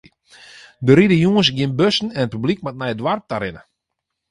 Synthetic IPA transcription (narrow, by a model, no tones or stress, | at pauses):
dəɾidəjuəns̬ɡɪnbøsn̩ɛnət̚pyblik̚mat̚nɛjədwartaɾɪnə